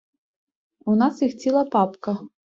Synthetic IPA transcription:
unasixt͡sʲilˠɐpapkɐ

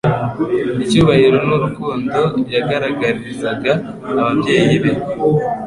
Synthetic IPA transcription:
icuːβahiɾo̞nuɾukuːndo̞jaɡaɾaɡaɾiɾzaɡaː | βaβɟe̞ːjiβe̞

